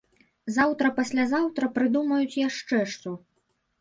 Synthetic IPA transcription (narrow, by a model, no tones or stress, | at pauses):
zawt̪ɾɐpasʲlʲazawt̪ɾɐpɾɨd̪umɐjut͡sʲjaʂt͡ʂɛʂt̪su